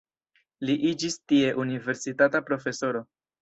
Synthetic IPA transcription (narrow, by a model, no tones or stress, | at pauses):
liʔid͡ʒistie̞ʔunive̞ɾsitatapɾo̞fe̞so̞ɾo̞